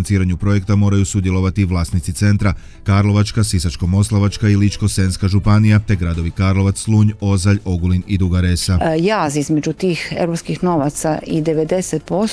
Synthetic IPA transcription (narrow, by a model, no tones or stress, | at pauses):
nsiːɾaɲupɾo̞je̞kt̪amo̞ːɾajusud̪jelo̞ʋat̪iʋlˠaːst̪nit̪sit̪se̞nt̪ɾa | kaɾlo̞ʋat͡ʃkasisat͡ʃko̞mo̞slˠaʋat͡ʃkailit͡ʃko̞senskaʒupanijat̪e̞ɡɾad̪o̞ʋikaːɾlo̞ʋat̪slˠuːɲo̞zaʎo̞ɡulinid̪uɡaɾesajaːzizmed͡ʑut̪iːxḛvɾopskixno̞ʋat̪saʔid̪eʋed̪e̞set̪̚po